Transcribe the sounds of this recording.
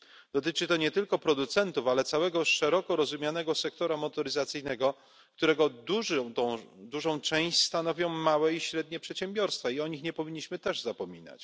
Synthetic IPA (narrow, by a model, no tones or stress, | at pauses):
d̪̥ɔt̪ɘt͡ʂɘt̪ɔɲɛt̪ɘlkɔpɾɔd̪ut̪sɛnt̪ufalɛt̪sawɛɡɔʂɛɾɔkɔɾɔzumʲjanɛɡɔsɛk̚t̪ɔɾamɔt̪ɔɾɘzat̪sɘjnɛɡɔ | k̚t̪uɾɛɡɔd̪ũt̪ɔ̃d̪uʐɔ̃w̃t͡ʂɛ̃j̃ɕʲst̪anɔvʲjɔ̃w̃mawɛiɕɾɛd̪̚ɲɛpʂɛt̪ɕɛmbʲjɔɾst̪faiɔɲixɲɛpɔvʲiɲːiɕmɘt̪ɛʐzapɔmʲina̰t͡ɕ